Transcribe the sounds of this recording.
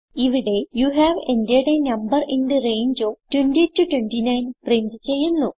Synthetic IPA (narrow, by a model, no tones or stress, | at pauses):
iʋiɽe̞juːɦæːʋendijɐɽenɐmbɐrʔiɳɖɨrejɲd͡ʑoːʈwenʈitutweɳʈinɐjnprintɨt͡ɕejːunːuː